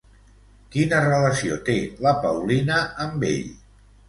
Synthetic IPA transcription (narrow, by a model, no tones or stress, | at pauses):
kinərələsiot̪eləpəwlinəəmbḛʎ